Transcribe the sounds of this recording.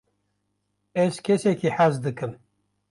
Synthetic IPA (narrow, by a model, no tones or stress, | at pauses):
ɛzkʲʰɛsɛkʰiħazd̪ɨkɨm